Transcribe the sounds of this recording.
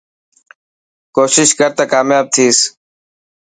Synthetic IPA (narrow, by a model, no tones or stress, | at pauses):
koːʃɪʃkəɾt̪aːkaːmjaːb̚t̪ʰiːs